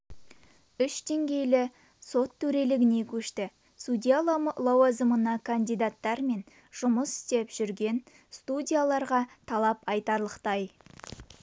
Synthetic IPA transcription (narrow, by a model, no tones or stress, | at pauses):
ʏʃd̪e̞ŋɡʲe̞jlɪ | so̞t̪ʰːɵɾe̞lɪɡʲɪne̞kʲʰɵʃt̪ɪ | sud̪ʲijalˠɑwazəmənɑkʰand̪ijd̪at̪ːɑɾme̞n | ʒ̥ʊməsɪ̥st̪e̞pʒ̥ʏɾɡʲe̞n | st̪udʲijalˠɑɾʁɑt̪ʰɑlˠɑpɑjt̪ɑɾlˠəqt̪ɑj